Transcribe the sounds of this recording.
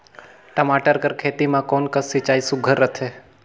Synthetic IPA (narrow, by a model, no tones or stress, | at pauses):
ʈəmaːʈəɾkəɾkʰeːt̪imãkɔːnkəsit͡ʃaːisʊɡʱəɾːət̪ʰɦeː